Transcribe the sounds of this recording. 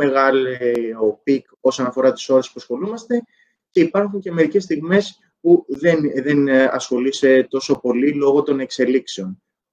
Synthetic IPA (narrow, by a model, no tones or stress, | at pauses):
eɣɐleopik | o̞so̞nɐfo̞ɾɐt̪i̥so̞ɾe̞spuɐsxo̞lumɐst̪e̞ | ce̞ipɐɾxuɲce̞me̞ɾice̞st̪iɣme̞s | puðe̞nðe̞nɐ̰sxo̞lise̞t̪o̞so̞po̞lilo̞ɣo̞t̪o̞ne̞kse̞likse̞o̞n